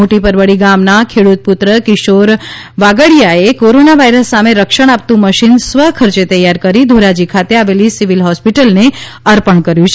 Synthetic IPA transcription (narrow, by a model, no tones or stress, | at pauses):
oʈipəɾʋəɽiɡamnakʰeɽut̪̚put̪ɾəkiʃoɾ | ʋaɡəɽjaekoɾonaʋaiɾəsːameɾəkʃəɽ̃ap̚t̪ũməʃinsʋəɦkʰəɾt͡ʃet̪əjaɾkəɾid̪ʱoɾad͡ʒikʰat̪eaʋelisiʋilɦɔspiʈəlne | əɾpəɳkəɾjũt͡ʃʰe